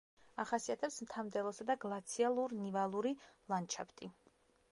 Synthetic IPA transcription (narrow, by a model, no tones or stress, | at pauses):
aχasiat̪ʰɛpsmt̪ʰamd̪ɛlˠɔsad̪aɡlˠat̪sʰialˠuɾnivalˠuɾilˠant͡ʃʰa̰pʰt̪ʼi